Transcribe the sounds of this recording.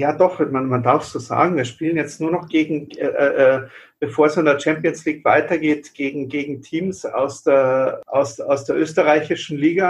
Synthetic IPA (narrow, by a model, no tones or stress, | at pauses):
jaːdɔχmanmandaɐfsz̥uːza̰ːɡŋ̩viːɐʃpiːlənjɛt͡stnuːɐnɔχɡ̥eːɡŋ̩ɛʔːʔɛːb̥efoːɐɛsɪndeːɐt͡ʃɛmpijənsliːkv̥a̰ɪtɐɡeːtɡ̥eːɡŋ̩ɡeːɡŋ̩tʰiːmsa̰ʊsd̥eːɐʔa̰ʊsa̰ʊsd̥eːɐʔøːstəʁaɪçɪʃn̩liːɡa